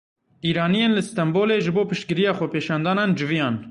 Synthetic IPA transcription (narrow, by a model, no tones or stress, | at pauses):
ʔiːɾɑːnijeːnlɨst̪ɛmboːleːʒɨboːpɨʃt̪̚kɨɾijɑːxʷɛpeːʃɑːnd̪ɑːnɑːnd͡ʒɨvijɑːn